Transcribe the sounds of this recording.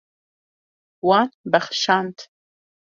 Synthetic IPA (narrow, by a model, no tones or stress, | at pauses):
wanbaχʃant̪